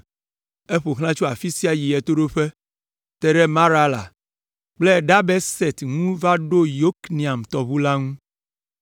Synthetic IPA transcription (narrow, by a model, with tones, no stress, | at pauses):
e˦ɸo˨xl̃ã˦t͡ʃu˦a˨fi˦si˦a˨ji˨ɛ˨t̪o˦ɖo˦ɸe˦ | t̪ɛ˨ɖɛ˦mã˦ɾa˦la̰˨ | k͡ple˦˨ɖa˦bɛ˦sɛ˨t̪ŋũ˦va˦ɖo˦jo˦knĩ˨a˨mt̪ɔ˨βu˦la˦ŋũ˦